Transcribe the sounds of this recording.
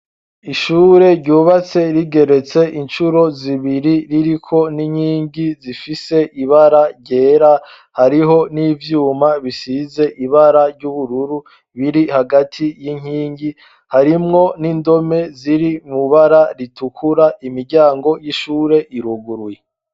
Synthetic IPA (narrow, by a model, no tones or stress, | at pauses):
iʃuːɾe̞ɾɟuːβat͡se̞ɾiɡe̞ɾe̞t͡se̞ʔint͡ʃuɾo̞ziβiɾiɾiɾikʰo̞niɲiːɲɟizifise̞ʔiβaɾaɾɟe̞ːɾa | haɾiɦo̞niːvjuːmaβisize̞ʔiβaɾaɾɟuβuɾuɾu | βiɾihaɡatʰijiɲ̥iːŋɟi | haɾimŋo̞nindo̞me̞ziɾimuβaɾaɾitukʰuɾaimiɾɟaːŋɡo̞jiʃuːɾe̞ʔiɾuɡuɾuwje